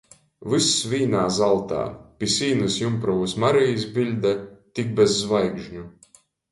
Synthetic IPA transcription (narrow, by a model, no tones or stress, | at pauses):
vɨsvʲiːnaːzalˠt̪a̰ːpʲisʲiːnɨsjumpɾɔvusmaɾijs̬bʲilʲd̪at̪ik̚bɛzːvajɡʒɲu